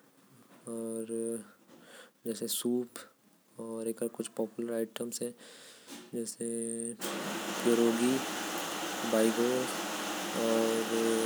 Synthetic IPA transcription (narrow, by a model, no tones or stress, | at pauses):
ɔːɾ | d͡ʒɛːsesuːp | ɔːɾeːkaɾkʊt͡ʃʰpɔːpjʊləɾaɪʈəmsɦɛ̃ | d͡ʒɛːse | poɾoːɡi | baːɪɡoː | ɔːɾ